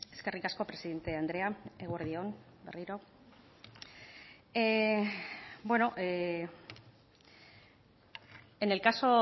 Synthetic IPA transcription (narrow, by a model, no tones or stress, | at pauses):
e̞ske̞rikasko̞pɾe̞siðe̞nt̪e̞and̪ɾe̞aeɣwoɾðio̞n | be̞riɾo̞ | bwe̞no̞ʔe | ene̞lkaso̞